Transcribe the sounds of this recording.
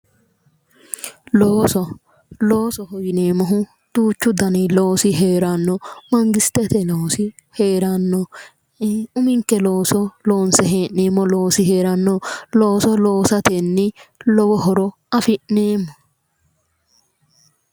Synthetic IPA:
loːsɔ | loːsɔhɔjɪne̞ːmɔɦʊ | d̪̥uːt͡ʃːʊd̪ɐniloːsɪɦeːɾanːɔmɐŋɡɪst̪ɛt̪ɛloːsɪ | heːɾɐnːɔ | ʊmɪŋkːɛloːsɔloːnsɛɦeːʔneːmːɔlo̞ːsɪheːɾɐnːɔlo̞ːsɔlo̞ːsɐt̪enːɪlɔwɔɦɔɾɔ | ɐfɪʔneːmːɔ

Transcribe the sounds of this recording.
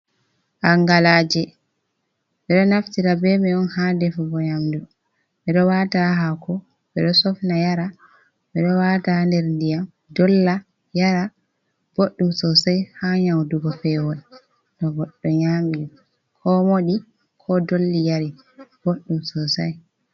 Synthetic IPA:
ʔaŋɡalaːd͡ʒɛ | ɓɛɗɔnaftiɾabɛmɛɔnhadɛfubɔɲamdu | ɓɛɗɔwataɦakɔ | ɓɛɗɔsɔfnajaɾa | ɓɛɗɔwatandɛɾndijam | dɔlːa | jaɾa | b̥oɗːumsɔsajhaɲawduɡɔfɛwɔn | ɗɔbɔɗːɔɲamiɗɔ | kʰɔmoɗi | kʰɔdolːijaɾi | b̥oɗːumsɔsa̰j

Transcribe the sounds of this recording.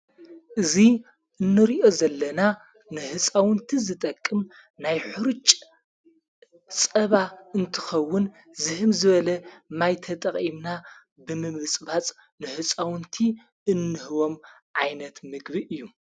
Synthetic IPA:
ʔɨzi | ʔɨnːɨɾiʔo̞zɐlːɐna | nɨħɨt͡sʼawɨnt̪ʰizɨt̪ʼɐkʼːɨm | najħɨɾt͡ʃʼ | sʼɐβaɨnt̪ʰɨxɐwːʊn | zɨhɨmzɨβɐlɐmajt̪ʰɐt̪ʼɐχʼimna | bɨmɨmɨt͡sʼbat͡sʼ | nɨħɨt͡sʼawɨnt̪ʰi | ɨnːɨhɨwo̞mʕajnɐt̪mɨɡbiʔɨjːu

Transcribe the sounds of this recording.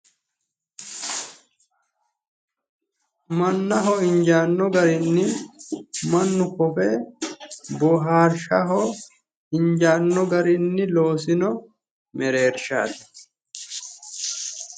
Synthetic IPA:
mɐnːɐɦɔɪnd͡ʒaːnːɔɡɐɾɪnːɪ | mɐnːʊkɔfe | bɔɦaːɾʃɐɦɔ | ɪɲd͡ʒaːnːɔɡɐɾɪnːɪlo̞ːs̬ɪnɔ | mɛɾe̞ːɾʃa̰ːt̪ɛ̥

